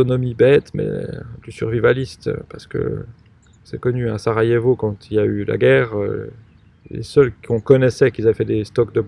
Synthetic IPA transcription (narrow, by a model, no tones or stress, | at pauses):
ɔnɔmibɛt̪mɛ̰d̪ysyʁvivalist̪paʁsə̥kə̰ | sɛkɔnyasaʁajevokɑ̃t̪ʰiljayla̰ɡɛːʁø̰ | lḛsœlkʲɔ̃kɔnɛsɛkilzavɛfɛd̪est̪ɔk̚d̪ə